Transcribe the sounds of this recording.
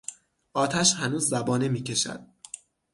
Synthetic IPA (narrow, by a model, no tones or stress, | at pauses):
ʔɒːt̪ʰæʃhænuːzːæbɒːnemiːcʰe̞ʃæ̰d̪̥̚